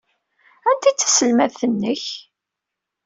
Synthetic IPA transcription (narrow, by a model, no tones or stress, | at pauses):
ænt̪it͡sːə̥səlmæðθənːəç